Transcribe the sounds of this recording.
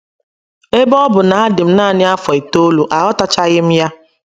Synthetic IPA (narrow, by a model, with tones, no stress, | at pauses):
e˦bɔ˦bʊ˨na˨a˦dɪ˨m̩˦naː˦˨nɪ˦a˦fɔ˨i˨to˦lu˨ʔa˨ɣɔ˦ta˦t͡ʃa˦ɣɪ˦m̩˦ja˦